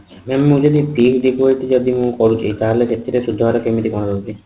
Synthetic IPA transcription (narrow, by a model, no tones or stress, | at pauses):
memːũd͡ʒɔd̪it̪iɡd̪ikuojʈid͡ʒɔd̪imũkɔɾut͡ʃʰit̪aɦeleket̪ʰːiɾesud̪ʱːɔɾɔkemit̪ikɔɽ̃d̪ɔut͡ʃʰi